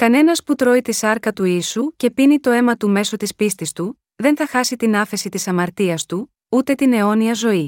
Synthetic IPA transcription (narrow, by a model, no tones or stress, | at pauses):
kɐne̞nɐsput̪ɾo̞it̪isɐɾkɐt̪uisuce̞pinit̪o̞e̞mɐt̪ume̞so̞t̪ispist̪ist̪u | ðe̞nθɐxɐsit̪inɐθe̞sit̪isɐmɐɾt̪iɐst̪u | ut̪e̞t̪ine̞o̞niɐzo̞i